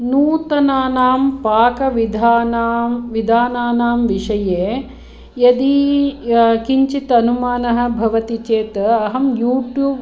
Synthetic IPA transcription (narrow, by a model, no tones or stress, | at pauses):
nuːt̪ɐnaːnaːmpaːkɐʋid̪ʱaːnːmʋid̪ʱaːnaːnaːmʋiʂɐjeː | jɐd̪i | kiɲt͡ʃit̪ɐnumaːnɐɦɐ̆bʱɐʋɐt̪it͡ʃeːt̪ɐɐɦɐmjuːʈjuːb